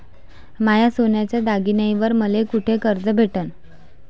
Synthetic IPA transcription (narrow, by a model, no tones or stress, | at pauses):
majasonjat͡ɕjad̪aɡinaiʋəɾməlekuʈʰekəɾd͡zəbʱeʈən